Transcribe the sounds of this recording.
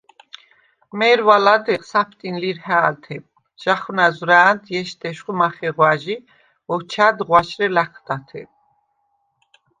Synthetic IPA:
mɛːɾwalad̪ɛʁsapʰt̪ʼinliɾhaːlt̪ʰɛ | ʒ̥aχwnazɾaːnt̪jɛʃt̪ʼɛʃχumaχɛʁwaʒi | ɔwt͡ʃʰaːd̪ʁwaʃɾɛlaχʰd̪at̪ʰɛ

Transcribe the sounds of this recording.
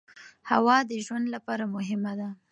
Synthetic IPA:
hawɑd̪əʒwand̪lapɑɾamʊɦɪmad̪a

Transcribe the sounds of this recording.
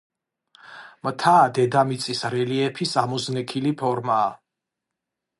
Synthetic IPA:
mt̪ʰaːd̪ɛd̪amit̪sʼisɾɛliɛpʰisamɔznɛkʰilipʰɔɾmaː

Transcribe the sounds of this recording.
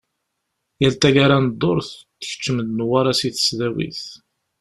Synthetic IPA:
jælt̪æʝaɾand̪ˤːoɾˤθt̪ːə̥çə̥t͡ʃːəməd̪nwaɾasiθə̥sðæwḭθ

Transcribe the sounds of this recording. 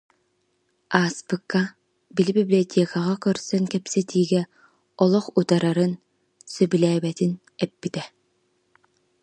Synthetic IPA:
aːspɯkːa | bilbiblʲiɔt̪ʲʰeːkaʁakœɾsœŋkɛpsɛt̪ʰiːɡɛ | ɔlˠɔχut̪aɾaɾɯn | sœbylɛːbɛt̪in | ɛpːit̪ɛ

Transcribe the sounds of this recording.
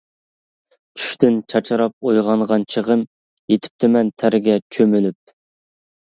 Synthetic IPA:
t͡ʃʰy̥ʃt̪ɪnt͡ʃʰɑt͡ʃʰɑɾɑp̚ojʁɑnʁɑnt͡ʃʰəʁəm | jet̪ʰɪ̥p̚t̪ʰɪmɛnt̪ʰæɾɪɡʲɛt͡ʃʰømylyp̚

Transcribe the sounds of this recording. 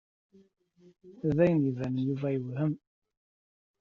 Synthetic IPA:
ðæjənjəvænjuvæjəvhəm

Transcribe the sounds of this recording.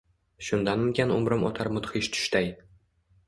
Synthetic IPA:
ʃʊnd̪anʊkʲanʊ̰mɾɨmʔɒ̰t̪ʰaɾmʊt̪χiʃt̪ʰʊ̥ʃt̪aj

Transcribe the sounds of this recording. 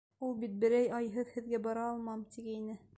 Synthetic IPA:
ulˠbit̪̚bɘ̆ɾæjɑjɦɤðhɘ̆ðɡæbɑɾɑːlˠmɑmt̪iɡæinɘ

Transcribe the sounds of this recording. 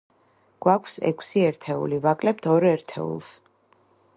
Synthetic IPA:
ɡ̥wakʰsɛ̰kʰsiɛɾt̪ʰɛṵlivakʼlɛp̚t̪ʰɔɾɛɾt̪ʰɛ̰ṵlˠs

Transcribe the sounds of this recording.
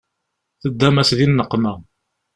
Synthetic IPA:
θəd̪ːæmæsðinːəqːmæ

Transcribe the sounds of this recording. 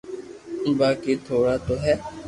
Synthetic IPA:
ɪbaːkeːt̪ʰoːɽaːt̪oːɦɛː

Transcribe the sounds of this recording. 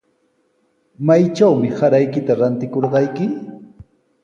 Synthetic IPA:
majt͡ʃawmɪhaɾajkɪt̪aɾant̪ɪkoɾɢɑjkɪ

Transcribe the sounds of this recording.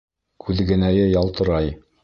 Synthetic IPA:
kʰʉðɡɘ̆næjɘjɒlˠt̪ɤ̆ɾɑj

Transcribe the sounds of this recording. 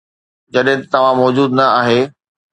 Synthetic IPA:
d͡ʑɐɗɦɪ̃t̪ɐt̪ɐʋ̤ãmɔːd͡ʑuːd̪nɐaːɦeː

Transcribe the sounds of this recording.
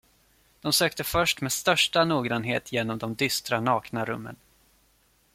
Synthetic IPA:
d̪̥ɔmsøːk̚t̪əfœʂʈmeːd̪st̪œʂʈanuːɡɾanɦḛːt̪ʰjeːnɔmd̪ɔmd̪ʏst̪ɾanɑːknaɾɵmːə̰n

